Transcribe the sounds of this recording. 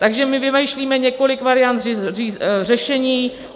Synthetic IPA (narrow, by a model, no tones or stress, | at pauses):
t̪aɡʒɛmɪvɪmajʃliːmɛɲɛko̞lɪkvaɾɪjant̪rɪrirɛʃɛɲiː